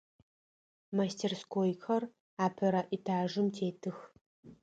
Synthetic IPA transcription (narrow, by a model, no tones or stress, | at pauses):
mastʰeːrskʰoːjxʰɐr | aːpʰɐɾɐʔitʰaːʒɨmtʰeːtʰɨx